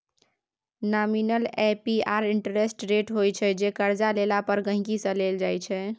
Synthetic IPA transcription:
naminəlepiaɾiɳʈəɾesʈɾeʈɦojt͡ʃʰɛd͡ʒekəɾd͡ʒalelapəɾɡə̃ɦĩkisə̃leld͡ʒajt͡ʃʰɛ

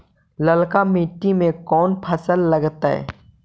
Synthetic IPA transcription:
ləlkamiʈːimẽkɔːnpʰɐsəlːɐɡt̪aɦɛ̰ː

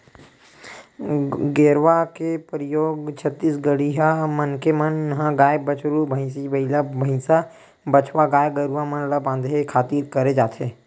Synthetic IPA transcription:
ɡeːɾʋakepɾəjoːɡt͡ʃʰət̪ːisɡəɽiɦamənkemənːɦãɡaːjebət͡ʃɾubʱə̃ɪ̃sibɐɪlabʱɐɪ̃sa | bət͡ʃʰwaɡaːjɡɐɾuʋamənlabãːnd̪ʱekʰaːt̪iːɾkɐɾed͡ʒaːt̪ʰɦeː

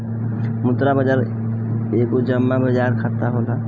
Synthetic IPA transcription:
mʊt̪ɾabəd͡ʒaɾ | eːkod͡ʒəmːabʱəd͡ʒaːɾkʰat̪aɦola

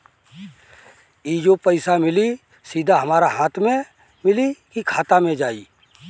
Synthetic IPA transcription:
iːd͡ʒopəɪsamɪli | siːd̪ʱaɦɐmaːɾaɦãːt̪ʰmẽ | mɪlikikʰaːt̪amẽd͡ʒaːḭː

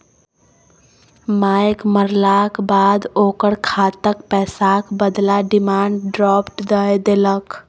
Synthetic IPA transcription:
majkməɾlakbad̪okəɽkʰat̪əkpɛːsakbəd̪laɖimaːɳɖɖɾɔːpʈd̪əjd̪elək

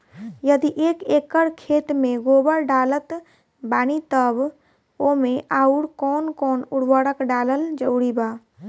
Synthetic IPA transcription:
jəd̪iʔeːkeːkəɽkʰeːt̪mẽɡoːbəɽɖaːlət̪ | baːnit̪əb | omẽʔaːuɽkɔːnkɔːnʊɽʋəɽəkɖaːləld͡ʒəʊɽibaː

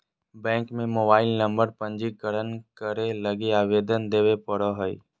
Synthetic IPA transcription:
bɛ̃ːŋkmẽmoːbaːɪlnə̃mbəɾpə̃ɲd͡ʒikəɾənkəɾeləɡeaːʋeːd̪ənd̪eːʋepəɽoɦəḭ

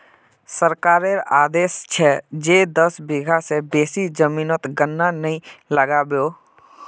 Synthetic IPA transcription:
səɾkaːɾeɾaːd̪eːst͡ʃʰɛd͡ʒed̪əsbiɡʱasebeːsid͡ʒəmiːnot̪ɡənːanəĩləɡabjoː

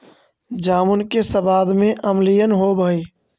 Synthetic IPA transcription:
d͡ʒaːmʊnkesəbaːd̪mẽʔəmlijənɦobəi

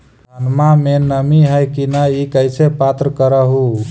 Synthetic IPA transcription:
anmamenəmiɦəjkinaikəjsʰepat̪ɾəkəɾəɦu

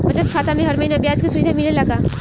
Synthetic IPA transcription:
bɐt͡ʃət̪̚kʰaːt̪amẽɦɐɾmɐinabjaːd͡ʒkosuid̪amɪlelaːɡaː

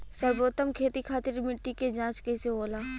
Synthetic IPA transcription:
sɐɾboːt̪əmkʰeːt̪ikʰaːt̪ɪɾmɪʈːiked͡ʒãːt͡ʃkɛseɦoːlaː

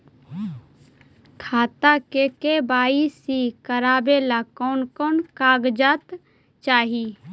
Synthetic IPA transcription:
kʰaːt̪akekebaːisikəɾaːbeːlakɔːnkɔːnkaːɡd͡ʒaːt̪ | t͡ʃaːɦi

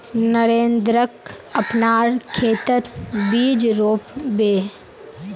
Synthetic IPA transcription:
nəɾẽːnd̪ɾəkɐpnaːɾkʰeːt̪ət̪biːd͡ʒɾoːpbeː

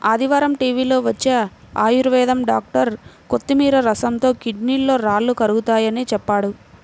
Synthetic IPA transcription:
ɐːd̪iʋaːɾɐmʈiːʋiːlo̞ːʋɐt͡ʃːeː | aːjuɾʋɛːd̪ɐmɖaːk̚ʈɐɾkot̪ːimiːɾɐɾɐsɐnt̪o̞ːkiɖniːlːo̞ːɾaːɭːukɐɾuɡut̪aːjɐnit͡ʃɛpːaːɽu

